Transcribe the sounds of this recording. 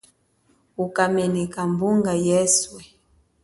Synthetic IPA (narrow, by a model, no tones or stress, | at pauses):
ukamɛnɛkambuŋɡajɛswɛ